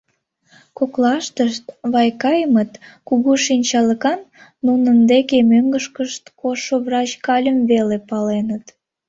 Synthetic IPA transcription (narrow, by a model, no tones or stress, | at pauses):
koklɑʃt̪əʃt̪βɑjkɑjəmət̪kuɣuʃinʲt͡ɕɑləkɑnːunənd̪ekemøŋɡəʃkəʃt̪koʃovrɑt͡ɕkɑlʲəmβelepɑlenət̪